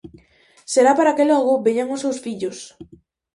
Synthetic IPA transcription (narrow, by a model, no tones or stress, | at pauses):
seɾapaɾakelɔɣʊbeɲaŋʊsewsfiʎos